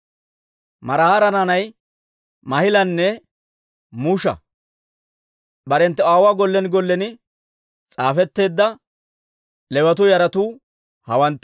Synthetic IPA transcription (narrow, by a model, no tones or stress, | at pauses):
mɐɾɐhaɾɐnanɐj | mɐhɪlɐnːɛ | muʃɐ̰ | bɐɾɛnt̪ːɛwaːwaːɡɔlːɛnɪɡɔlːɛnɪ | t͡sʼaːfɛt̪ːe̞ːd̪ːɐ | lɛbɐt̪ʊjɐɾɐt̪uː | hɐwɐnt̪ː